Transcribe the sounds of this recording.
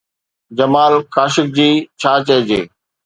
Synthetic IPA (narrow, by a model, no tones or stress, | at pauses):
d͡ʑɐmaːlxaːʃɪk̚d͡ʑiːt͡ɕʰaːt͡ɕɐɦɪd͡ʑḛː